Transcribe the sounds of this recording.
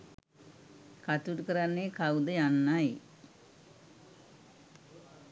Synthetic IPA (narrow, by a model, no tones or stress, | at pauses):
kat̪uʈukəɾanːekawd̪əjanːaj